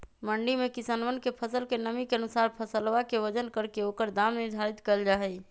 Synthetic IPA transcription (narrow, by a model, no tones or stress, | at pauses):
məɳɖimekisanʋənkepʰəsəlkenəmikeənusaɾpʰəsəlʋakeʋəd͡ʒənkəɾkeokəɾd̪amniɾd̪ʱaɾit̪kəld͡ʒaɦɛ